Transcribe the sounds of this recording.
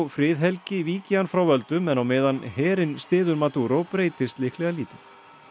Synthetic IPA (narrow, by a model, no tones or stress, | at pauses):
wfɾɪːðɦɛlcɪviːcɪanfɾawvœlt̪ʏmɛnawmɛːðanhɛːɾɪnst̪ɪːðʏɾmat̪uːɾopɾeːjt̪ɪst̪lɪhklɛɣaliːt̪ɪθ